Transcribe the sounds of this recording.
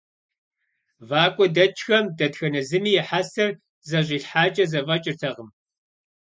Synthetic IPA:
vaːkʷʼɔdɐt͡ʃʰʼxɐmdɐtxɐnɐzɨmiːjɛħasɐr | zɐɕʼiːɬħaːt͡ʃʼɐzɐvɐt͡ʃʼɪrtʰɐʁəm

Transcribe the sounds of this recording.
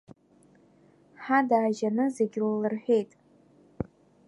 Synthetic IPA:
ħadaːʒanɨzeɡʲllɨrħʷᶣe̞jtʼ

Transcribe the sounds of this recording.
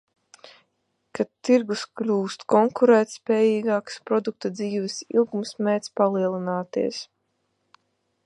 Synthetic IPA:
katt̪ːiɾɡusklʲuːst̪kɔŋkuɾɛːt̪spʲɛːjiːɡaːkspɾɔd̪uk̚t̪ad̪ziːvɛsḭlˠɡumsmɛːt̪spalˠiɛlˠinaːt̪ḭɛs

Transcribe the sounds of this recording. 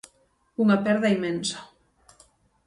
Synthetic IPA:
uŋapɛɾðaimensḁ

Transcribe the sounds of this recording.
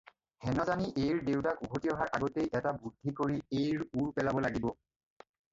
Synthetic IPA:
hɛnɔzaniʔejɹdewtakubʰʱotijɔɦaɹʔa̰ɡɔtejʔɛtabudʱːikoɹiejɹuɹpɛlabɔlaɡibɔ

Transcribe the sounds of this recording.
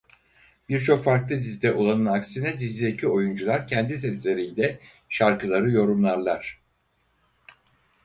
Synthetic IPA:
b̥iɾt͡ʃʰo̞kfaɾklˠɯd̪izd̪ɛʔolˠanɯnaksinɛd̪izd̪ʲid̪ecʰio̞jund͡ʒulˠaɾcʰɛnd̪is̬ɛslʲe̞ɾijlʲɛ | ʃaɾkɯlˠaɾɯjo̞ɾumlˠaɾlˠaɾ̥

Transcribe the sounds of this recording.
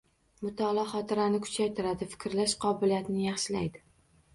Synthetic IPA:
mʊt̪ʰɒlˠɒχɒt̪ɪɾanɪkʰʊ̥t͡ʃʰajt̪ʰɪɾad̪ɪfɪ̥kʲɾlaʃqʰɒbɪlijat̪nɪjɑχʃɪla̰jd̪ɪ

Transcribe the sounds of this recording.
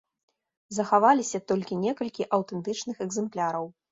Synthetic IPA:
zɐxavalʲisʲɐt̪ɔlʲkʲinʲɛkɐlʲkʲiʔɐwt̪ɛnt̪ɨt͡ʂnɨxɛɡzɛmplʲaɾɐw

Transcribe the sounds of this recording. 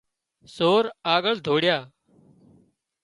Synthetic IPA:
soːɾaːɠəɭd̪ʱoːɽɪjaː

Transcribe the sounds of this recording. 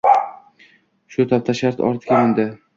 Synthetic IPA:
ʃʊt̪ʰap̚t̪ʰaʃaɾt̪ɒ̰ɾt̪ʰɪ̥kʲanɪnd̪ɪ

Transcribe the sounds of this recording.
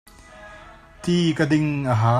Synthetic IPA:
t̪iːkɐd̪ɪŋʔəɦaː

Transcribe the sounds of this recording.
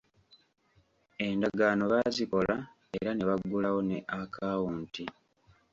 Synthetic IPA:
e̞ndaɡano̞βaziko̞la | ḛɾane̞βaɡːulawo̞neʔakʰaːwuːnti

